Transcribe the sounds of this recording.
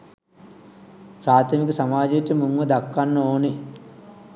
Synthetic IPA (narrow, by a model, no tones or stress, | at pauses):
pɾaːt̪ʰɐmikusɐmaːd͡ʒiʈ̪ːimuŋɡud̪ɐkːɐnːoːni